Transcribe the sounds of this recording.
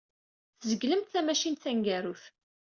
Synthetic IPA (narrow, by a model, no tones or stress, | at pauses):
θzəɡləmt̪θæmæʃinθæŋɡæɾuθ